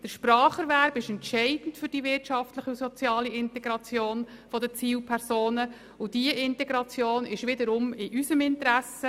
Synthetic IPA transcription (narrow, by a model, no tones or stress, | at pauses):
d̥əɾʃpɾɑːχəɾʋæɾbɪʃɛntʃɛɪd̥n̩tfʏɾd̥ivɪrtʃɑftləχiusɔt͡sjɑːliɪntɛɡ̥ɾɑt͡sjoːn | fɔdət͡siːlpʰɛɾsoːnə | ʊd̥iəʔɪntɛɡɾɑt͡sjoːnɪʃʋɪdəɾʊmɪʔysəmɪntəɾæsə